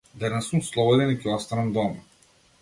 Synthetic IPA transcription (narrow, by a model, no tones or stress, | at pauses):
d̪ɛnɛsumslˠɔbɔd̪ɛnikʲɛɔst̪anɛmd̪ɔma